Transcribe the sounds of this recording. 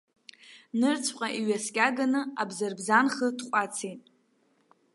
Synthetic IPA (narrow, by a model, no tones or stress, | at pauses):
nɨrt͡sʷʰqʼaʔiɥaskʲʼaɡanɨabzarbzanχədqʷʼat͡sʰejtʼ